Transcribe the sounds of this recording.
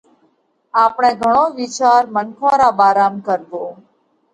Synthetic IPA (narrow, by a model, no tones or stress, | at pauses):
aːpɳ̃ẽːɡʱəɳ̃oːʋɪt͡ʃaːɾmənkʰãːɾaːbaːɾaːmkəɾd̪oː